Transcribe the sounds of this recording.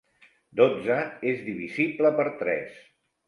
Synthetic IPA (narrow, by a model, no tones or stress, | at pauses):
d̪od͡zəezðiβ̞izibləpəɾt̪ɾɛ̰s